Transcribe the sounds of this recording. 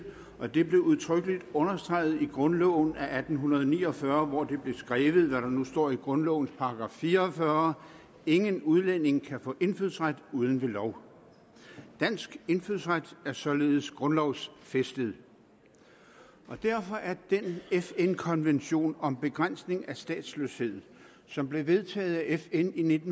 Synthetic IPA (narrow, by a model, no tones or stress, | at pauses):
ʔɒ̽d̥e̝b̥le̝uðˠt͡sʰʁœɡ̥əlid̥ɔ̽nɐsd̥ʁɑ̈ɪð̞̩ˠiɡ̥ʁɔ̽nlɔʊn̩æʔæd̥n̩ɦunɐð̞ˠɒnḭːɒfɶːɐʋɒd̥e̝b̥le̝sɡ̥ʁɛːʋð̞̩ˠʋæɾɑ̈nusd̥ɒ̰ːiɡ̥ʁɔ̽nlɔ̰ʊn̩spʰɑ̈ɡ̥ʁɑ̈fːiːɐːfɶɐ | e̝ŋənuð̞ˠlen̰e̝ŋkʰæfɔ̰̽ːʔe̝nfyð̰ˠsʁad̥uːð̞ˠən̩ʋe̝lɒʊ̰ | d̥æn̰sɡ̥e̝nfyðˠsʁad̥æɐsɒ̽le̝ːð̞̩ˠəsɡ̥ʁɔ̽nlɒʊsfesd̥əð̩ˠ | ʔɒ̽d̥æɐfɒ̽ʔæɐd̥enefenkʰɒ̽nʋenɕo̝̰ːnɒ̽mb̥e̝ɡ̥ʁan̰sne̝ŋæsd̥ɛ̰ːd̥sløshe̝ð̞̰ˠ | sɒ̽mb̥le̝ʋe̝ðˠt͡sʰɛ̰ːð̩ˠæʔefenine̝d̥n̩